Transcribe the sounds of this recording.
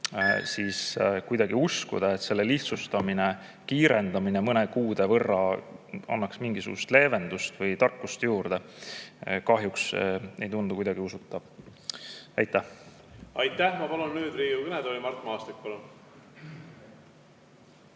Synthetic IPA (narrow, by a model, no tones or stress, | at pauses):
siːskujd̪̥ɑɡ̥iuskṵd̪̥ɑet̪ːse̞lːe̞liht̪sust̪ɑmine | kiːɾe̞nd̪̥ɑminemɤnekuːd̪e̞vɤrːɑɑ̰nːɑksmiŋɡisṵɡ̥ṵst̪le̞ːve̞nd̪̥ust̪vɤjt̪ɑrkːˑust̪juːɾd̪e̞ | kɑɦjuksejt̪und̪ukujd̪ɑɡ̥iusut̪ːˑɑb̥ | ɑjt̪ːˑæh | ɑjt̪ːæhmɑpɑlunːyːd̪riːjukɯned̪olimɑrt̪mɑɑːst̪ik̚pɑlun